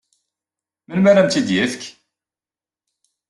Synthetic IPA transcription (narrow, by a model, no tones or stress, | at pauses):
mənmæɾæmt̪id̪jæθk